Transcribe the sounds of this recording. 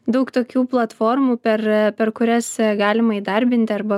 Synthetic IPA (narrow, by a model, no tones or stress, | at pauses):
d̪ɐʊkt̪oːkʲuːplˠɐt̪foːrmuːpʲɛrpʲɛrkʊɾʲɛsɡɑːlʲɪmɐiːd̪ɐɾʲbʲɪnʲt̪ʲɪɐɾbɐ